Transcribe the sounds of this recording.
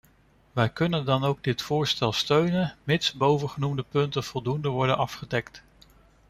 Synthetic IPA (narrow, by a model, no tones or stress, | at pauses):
ʋɛjkɵnəndɑnowɡ̚dɪtfʊːɹstɛlˠstøɥnənmɪtsbowvəχənumdəpɵntənv̥ɔlˠdundəʋɔɹdənɑfχədɛkt